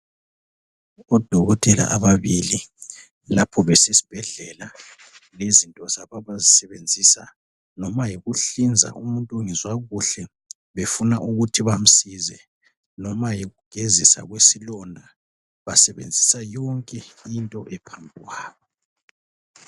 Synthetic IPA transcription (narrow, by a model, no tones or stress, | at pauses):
ɔd̥ʱɔɣɔtʼɛla̰ʔaβaβili | lapʰɔβɛsesi̥b̥ʱɛɮɛla | lezintʼɔz̥aβaβazisɛβend͡zʱisa̰ | nɔmajiɣuɬind͡zʱa̰ʔumuntʼuŋizwaɣuɬɛ | βefunaʔuɣutʰiβam̩sizɛ | nɔmajiɣuɡ̥ʱezisa̰ɣwesilɔndʱa | βasɛβḛnd͡zʱisajɔŋkʼɛintʼɔʔɛpʰambʱiɣwaːβɔ